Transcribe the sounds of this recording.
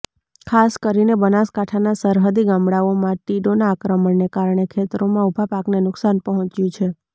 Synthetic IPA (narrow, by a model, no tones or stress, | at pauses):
kʰaskəɾinebənaskaʈʰanasəɾɦəd̪iɡãmɽaomãʈiɖonaːkɾəməɳnekaɾɳ̃ekʰet̪ɾomãubʱapaknenʊksanpəɦɔ̃t͡ʃjũt͡ʃʰe